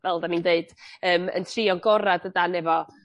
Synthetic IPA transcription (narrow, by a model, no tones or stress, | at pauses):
vɛlˠdanindeɨd̥əːmə̰ntʰriːɔnɡɔɾadədanɛvɔ